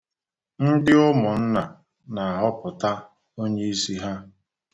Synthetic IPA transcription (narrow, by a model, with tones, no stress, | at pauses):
n̩˦dɪ˦ʊ˦mʊ˨n̩˦na˨ | na˨a˨ɦɔ˦pʊ˨ta˦ | o˦ɲe˦i˦si˦ɦa˦